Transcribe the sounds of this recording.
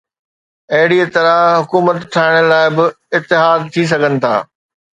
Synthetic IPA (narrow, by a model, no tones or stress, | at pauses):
ɐɦɪɽit̪ɐɾaɦʊkuːmət̪t̪ʰaːɪɽ̃əlaːɪbɪ | ɪt̪ːɪɦaːd̪̚t̪ʰis̬ɐɡʱənɪ̆t̪ʰa̰ː